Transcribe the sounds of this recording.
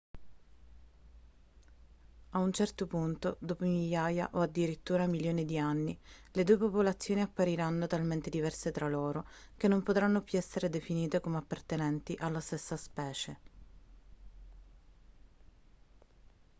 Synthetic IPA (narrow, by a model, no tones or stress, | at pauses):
aunt͡ʃɛrt̪opunt̪od̪oːpomiljaːja̰ʔoad̪ːiɾit̪ːuːɾamiljoːnid̪ianːiled̪uepopolat̪sːjoːniapːaɾiɾanːot̪alment̪ed̪ivɛrset̪ɾaloːɾok̟enːompot̪ɾanːopjuɛsːeɾed̪efiniːt̪ekomeapːart̪enɛnt̪iʔalːast̪esːaspɛːt͡ʃe